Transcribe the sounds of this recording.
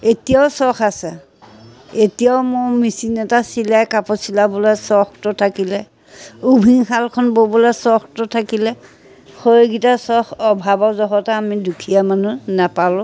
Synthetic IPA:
etijaʊsɔxʰasɛ | etijaʊmʊɹmisinɛtasilajkapɔsilabɔlasɔxtʊtʰakilɛ | ubʱiŋxʰalkʰɔnbobɔlasɔxtʊtʰakilɛ | xojɡitasɔxɔbʱabɔzɔɦɔtaamidukʰijamanunapalʊ̃

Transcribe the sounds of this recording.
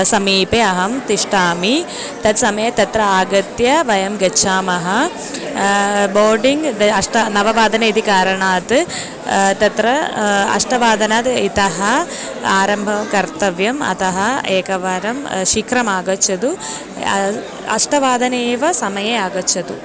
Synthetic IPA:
sɐmiːpeɐɦɐmt̪iʂʈaːmi | t̪ɐt̪sɐmɐjɐt̪ɐt̪ɾɐaːɡɐt̪jɐʋɐjɐmɡɐt͡ʃʰaːmɐɦɐ | boːɾɖiŋɡɐʂʈɐnɐʋɐʋaːd̪ɐnɐid̪ikaːɾɐɳaːt̪ɨ | t̪ɐt̪ɾɐɐ̰ʂʈɐʋaːd̪ɐnaːt̪it̪ɐɦɐ | aːɾɐmbʱɐmkɐɾt̪ɐʋjɐmɐ̰t̪ɐɦɐeːkɐʋɐɾɐmʃikɾɐmaːɡɐt͡ʃːɐd̪u | ɐ̰ʂʈɐʋaːd̪ʱɐneːʋɐsɐmɐjeaːɡɐt͡ʃːɐd̪u

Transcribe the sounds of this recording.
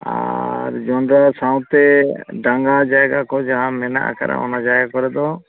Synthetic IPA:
a̰ɾd͡ʒɔnɖɾasãw̃t̪ɛɖaŋɡad͡ʒajɡakɔd͡ʒaɦãmɛna̰a̰kʰa̰ɾa̰ɔ̰nad͡ʒajɡakɔɾɛd̪ɔ

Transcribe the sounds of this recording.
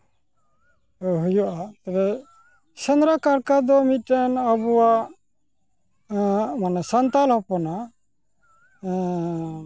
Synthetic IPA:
ɔɦujɔʔat̪ɛbɛ | sɛnɾakaɾkad̪ɔmitɛnabuwaʔ | manɛsant̪alhɔpɔna

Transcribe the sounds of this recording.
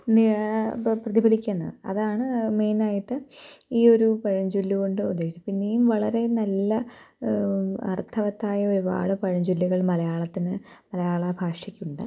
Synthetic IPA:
ni | prɐðibʱɐlikʲːɐːnːɐ̰ðɨɐ̰ðaːɳɨme̞jnaːjiʈːɨiːo̞ɾupɐɻɐɲd͡ʑulːuɣoɳɖɨud̪ːeːʂit͡ɕːɐpinːejumʋɐɭɐɾe̞nɐlːɐ | ɐ̰rt̪ʰɐʋɐt̪ːaːjɐo̞ɾuba̰ːɽɨpɐɻɐɲd͡ʑulːuɣɐɭmɐlɐjaːɭɐt̪ːinɨmɐlɐjaːɭɐbʱaːʂikʲːuɳɖɨ̰

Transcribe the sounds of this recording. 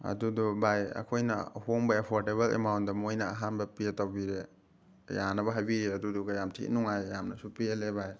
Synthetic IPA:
ɐ̰dudɔbajɐ̰kʰojnɐ̰hoŋbɐepʰoɾteβɐlḛmawnt̚dɐmojnɐːɦanbɐpietawbiɾe | janɐbɐɦajbiɾeɐduduɡɐjamtʰḭʔnuŋajːamnɐsupielebaj

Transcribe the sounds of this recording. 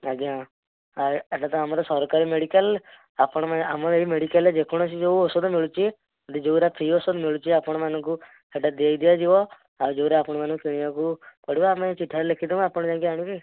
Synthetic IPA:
aɡã | aɾeʈat̪ɔamaɾɔsɔɾkaɾimeɽikəl | apɔɽ̃ɔmaamɔeimeɽikəled͡ʒekʰɔɽ̃ɔt͡ʃid͡ʒouɔsɔd̪ɔmiɭut͡ʃʰi | ɔd̪id͡ʒouɾap̪ʰiɔsɔd̪miɭut͡ʃʰiapɔɽ̃ɔmanɔ̃ŋku | keʈad̪iajd̪ijad͡ʒiʋɔ | ad͡ʒouɾeapɔɽ̃ɔmanukeɽ̃ijakupɔɽ̤ibɔamet͡ʃiʈʰːaɾɛlekʰid̪imapɔɽ̃ɔd͡ʒaɡaaɽ̃ũki

